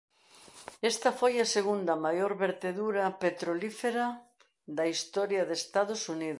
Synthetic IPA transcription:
est̪ɐfojɐseɣund̪ɐmajoɾβeɾt̪eðuɾɐpet̪ɾolifeɾɐ | ðɐist̪ɔɾjɐðest̪aðʊsuniðʊ

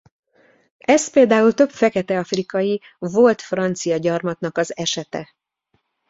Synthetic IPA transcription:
ʔɛspeːld̪aːult̪ø̞pfɛkɛt̪ɛɒfrikɒji | vo̞lt̪frɒnt̪sijɒɟɒrmɒt̪nɒkɒzɛʃɛt̪ɛ̰

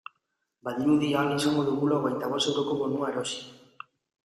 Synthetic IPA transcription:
baðiɾuðiaŋisaŋɡo̞ðuɣulaoɣejnt̪aβ̞o̞st̪e̞wɾo̞ko̞βo̞nuaeɾo̞si̥

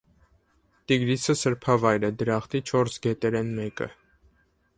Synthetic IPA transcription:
t̪iɡɾisʰəsəɾpʰɑvɑjɾɛd̪əɾɑχt̪ʰit͡ʃʰɔɾsɡɛt̪ɛɾɛnmɛkə̰

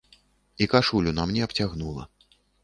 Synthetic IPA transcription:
ikaʂulʲunamnʲɛɐpt͡sʲaɣnulˠɐ̰

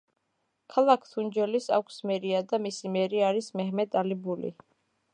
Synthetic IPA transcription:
kʰalˠakʰt̪ʰund͡ʒɛlisa̰kʷʰsmɛɾiad̪amisimɛɾiaɾismɛɦmɛd̪ʼalibulḭ

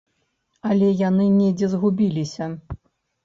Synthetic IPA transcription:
ɐlʲɛjanɨnʲɛd͡zʲɛzɣubʲilʲisʲɐ

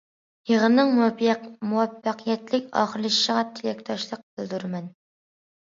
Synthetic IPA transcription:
jəʁənːɨŋmuwɛpmuwɛpːæqʰijɛt̪lɪkʲɑ̰ːχəɾlˠɨʃʃəʁɑt̪ʰɪlʲɛk̚ʲt̪ʰɑʃlˠəq̚bɪlˠd̪uɾmɛn

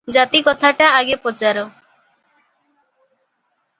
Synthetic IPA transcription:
d͡ʒat̪ikɔt̪ʰaʈaaɡepɔt͡ʃaɾo

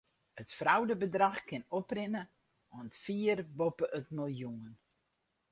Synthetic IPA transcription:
ətfrawdəbədrɑxkɪnɔprɪnə | ɔntfiərbopəʔətmilˠjuən

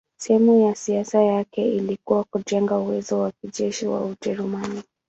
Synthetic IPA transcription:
sɛhɛmujasiasajakɛilikuwakuʄɛŋɡauwɛzɔwakiʄɛʃiwa̰ud͡ʒɛɾumani

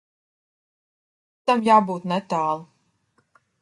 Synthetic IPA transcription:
t̪amjaːbuːt̪nɛt̪aːlˠ

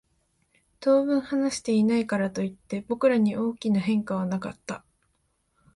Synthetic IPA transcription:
t̪o̞ːβɯ̟̃ɰ̃hanaɕi̥t̪e̞inaikaɾat̪o̞it̪ːe̞bo̞kɯ̟ɾaɲ̟iʔo̞ːkʲinaɦẽ̞ŋkaβ̞anakat̪ːa

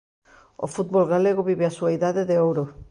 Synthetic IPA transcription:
o̰fut̪̚bolɣaleɣ̞oβiβeasuaiðaðeðeowɾo

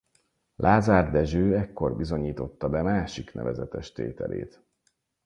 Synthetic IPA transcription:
lʔaːzaːrd̪ɛʒøːɛkːo̞rbizo̞ɲiːt̪o̞t̪ːɒbɛmaːʃiknɛ̰vɛzɛt̪ɛʃt̪ḛːt̪ɛ̰lʔḛːt̪

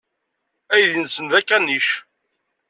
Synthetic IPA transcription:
æjðinsənðækːænːiʃ

